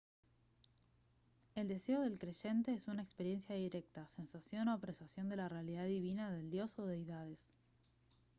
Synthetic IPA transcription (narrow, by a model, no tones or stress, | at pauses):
e̞ld̪e̞seo̞ðe̞lkɾeʒe̞nt̪e̞esunaekspe̞ɾje̞nsjaðiɾek̚t̪ase̞nsasjo̞noapɾesasjond̪e̞larealiðaðiβinaðe̞ld̪jo̞soðeiðað̞e̞s